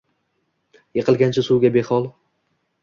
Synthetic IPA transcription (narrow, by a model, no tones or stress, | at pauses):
jeqɨlˠɡʲant͡ʃʰɪsuwɡʲabeχɒlˠ